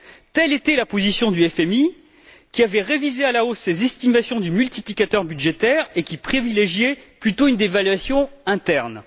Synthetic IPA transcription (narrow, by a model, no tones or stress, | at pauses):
t̪ɛlet̪ɛlapozisjɔ̃d̪yɛfɛmi | kʲiavɛʁevizealaosːezɛst̪imasjɔ̃d̪ymylt̪iplikʲat̪œʁbyd̪ʒet̪ɛʁekʲipχivileʒjɛplyt̪oynd̪evalɥasjɔ̃ɛ̃t̪ɛʁn